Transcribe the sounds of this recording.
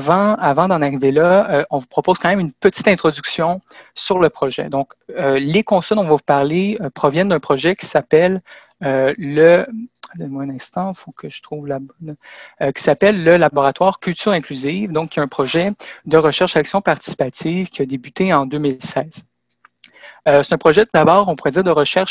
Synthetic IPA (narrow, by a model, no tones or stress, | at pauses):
avɑ̃avɑ̃d̪ɑ̃naʁivelaɔ̃vupχɔpoz̥kɑ̃ːmɛ̃mynpət̪i̥t̪ɛ̃t̪χɔd̪yksjɔ̃syʁləpχɔʒɛ̰d̪ɔ̃kølekɔ̃sɔld̪ɔ̃vɔvupaʁleəpχɔvjɛnd̪œ̃pχɔʒɛkʲi̥sapɛl | øːəd̪nmwɛ̃nɛ̃st̪ɑ̃fokʰəʒə̥t̪χuːvlabɔnøkʲi̥sapɛlːəlabɔʁat̪waːʁkʲylt̪yːʁɛ̃klyzivd̪ɔ̃kʰʲːɛt̪ɛ̃pχɔʒɛd̪əʁəʃɛʁʃaksjɔ̃paʁt̪i̥si̥pat̪ivkʲiad̪ebyt̪eɑ̃d̪øːmilsɛːz̥ | øse̥t̪ɛ̃pχɔʒɛd̪abɑːʁɔ̃puʁɛdziːʁd̪əʁəʃɛʁʃ